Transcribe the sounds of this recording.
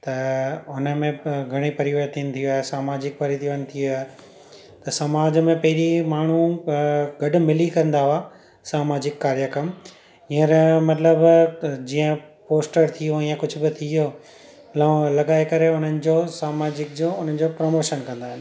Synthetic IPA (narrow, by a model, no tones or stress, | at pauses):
t̪ɐʊnə̆mẽɡʱɐɽ̃ipɐɾiʋəɦt̪ʰiːnɪ̆t̪ʰijoaːɦesaːmaːd͡ʑɪk̚pɐɾit̪ʰiʋənɪ̆t̪ʰiaːɦe | t̪ɐsɐmaːd͡ʑmẽpɐɦɪɾimaːɳ̤u | ɡɐɖʊ̆mɪlikɐ̃nd̪aɦaː | saːmaːd͡ʑɪkːaːɾjəkəm | ĩə̃ɾmɐt̪ləbd͡ʑiːə̃poːsʈəɾt̪ʰijoĩjãkʊd͡ʑʱʊ̆bɪt̪ʰijo | lalɐɡaːekɐɾeʊn̤ənɪ̆d͡ʑoːsaːmaːd͡ʑɪk̚d͡ʑoʊn̤ən̆d͡ʑopɾomoːʃənkɐ̃nd̪aːɦɪnɪ